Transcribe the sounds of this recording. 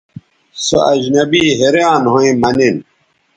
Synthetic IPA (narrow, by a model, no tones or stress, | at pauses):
soɐd͡ʑnɐbiːɦeɾjãːnɦoĩmɐnin